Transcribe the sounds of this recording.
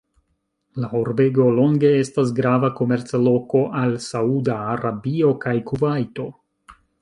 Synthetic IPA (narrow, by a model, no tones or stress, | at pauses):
laoɾbe̞ɡo̞lo̞ŋɡe̞e̞stas̬ɡɾavako̞me̞ɾt͡slo̞ko̞ʔalsaudaːɾabio̞kajkuvajto̞